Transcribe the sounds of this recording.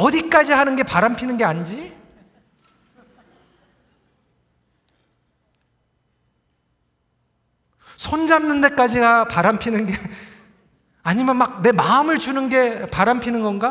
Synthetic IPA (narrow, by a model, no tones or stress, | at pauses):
ʌdik͈ad͡ʑihanɯnɡe̞paɾanpʰinɯnɡe̞aɲid͡ʑi | sʰond͡ʑamnɯnde̞k͈ad͡ʑiɡapaɾampʰinɯnɡe̞ | aɲimjʌnmak̚ne̞maɯmɯɭd͡ʑunɯnɡe̞paɾanpʰinɯnɡʌnɡa